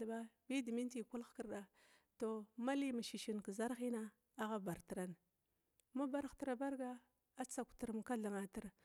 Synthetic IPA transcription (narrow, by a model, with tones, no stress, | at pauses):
ba˦bi˦di˨mi˦n˦ti˨ku˦lxkə˨ɾɗa˨ | to˨ma˦li˦ma˨ʃi˨ʃi˨n˨kə˨za˦ɾxi˦na˦ | a˦ɣa˦ba˨ɾti˨ɾa˦n˨ | ma˦ba˦ɾxti˨ɾa˨ba˦ɾɡa˦ | a˦t͡sa˨kʷtu˨ɾm˨ka˦ɮa˨ŋa˨ti˦ɾ